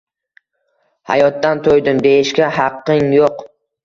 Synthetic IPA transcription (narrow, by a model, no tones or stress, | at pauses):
ha̰jɒt̪ːant̪ʰojd̪ɪmd̪e̞ɪʃkʲaɦɑqːɪŋjoq